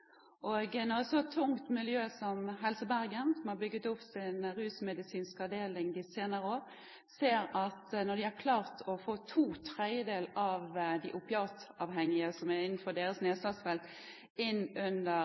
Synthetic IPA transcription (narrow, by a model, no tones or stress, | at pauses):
ʔɔɡnoːɛsɔt̪ʰːʊŋt̪mɪljøːsɔmɦɛlsəbæɾɡənsɔmhɑɾbʏɡːət̪ʊpsɪnɾʉːsmɛd̪ɪsiːnskɑʋd̪eːlɪŋd̪ɪseːnəɾəoːɾ | seːɾɑt̪nɔd̪ɪhæɾkʰlɑːʁt̪ʰɔfoːt̪ʰuːt̪ʰɾɛəd̪eːlɑʋd̪ɪʔʊpɪɑːt̪ɑʋhɛŋːɪəsɔmæɾɪnːn̩fɔd̪eːɾəsneːslɑːsfɛlt̪ | ɪnːʉnd̪ə